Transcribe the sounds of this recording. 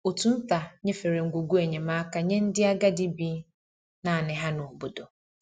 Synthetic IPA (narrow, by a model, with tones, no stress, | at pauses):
o˨tʰũ˦n̩˦ta˨ɲɛ̃˦fe˨ɾe˨ŋ̩˨ɡu˨ɡu˦ɛ˨ɲɛ̃˨mã˦ka˨ɲɛ̃˦n̩˦dɪ˦a˦ɡa˦dɪ˦bi˦ | nã˨nɪ̃˨ɦã˦nʊ̃˨bo˨dɔ˨